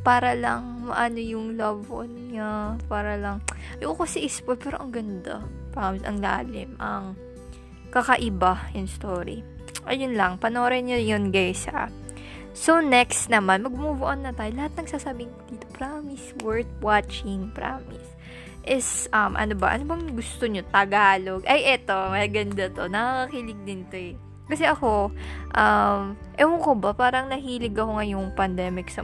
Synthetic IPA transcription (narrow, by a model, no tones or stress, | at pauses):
paːɾɐlɐŋmɐʔaːnojʊŋlɐbonɲapaːɾɐlɐŋjʔokosɐʔɪspolpɛːɾo̞ʔɐŋɡɐnd̪a̰pɾaːmɪsɐ̰ŋla̰ːlɪmʔɐŋ | kɐkɐʔɪbajʊŋst̪oːɾḭ | ʔɐjʊnlɐŋpɐnoːɾɛnjɐjonɡajsɐ̰ | sonɛkst̪nɐmanmɐɡ̚ʊmobʊʔonːɐt̪aːjolɐhat̪̚nɐŋsaːsaːbɪŋd̪iːt̪o̞pɾamɪswɛɹt̪̚wat͡ʃɪŋpɾa̰ːmɪs | ʔɛsʔɐmʔɐ̰nobɐʔɐ̰nobɐŋɡʊst̪oɲot̪ɐɡaːlo̞ɡʔɐjʔɛt̪o̞mɐsɡɐnd̪ɐt̪o̞nɐkakɐkilɪɡ̚d̪ɪnt̪o̞ɛ | kɐsɛʔɐko̞ʔɐmʔɛhʊŋkobɐpaːɾɐŋnɐhiːlɪɡɐkoŋajʊŋpɐnd̪ɛːmɪksɐ